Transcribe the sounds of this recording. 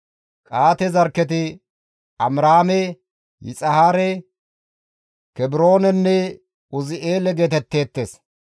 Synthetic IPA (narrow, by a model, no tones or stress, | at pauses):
kʼaːt̪ɛzɐɾkːɛt̪ɪ | ɐmɾaːmɛ | jɪ̰t͡sʼɐhaːɾɛ | kɛbɪɾo̞ːnɛnːɛ | ʊzɪʔe̞ːlɛɡe̞ːt̪ɛt̪ːe̞ːt̪ːeːs